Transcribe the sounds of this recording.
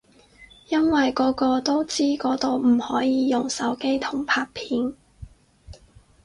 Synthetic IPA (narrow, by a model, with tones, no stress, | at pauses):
jɐ˥nwɐ˨jkɔː˨˥kɔː˧t̪o˥wt͡siː˥kɔː˨˥t̪o˨˧wm̩˨˩hɔː˨˥jiː˨˧jʊ˨ŋsɐ˨˥wke˥jt̪ʰʊ˨˩ŋpʰaː˧k̚pʰiː˨˥n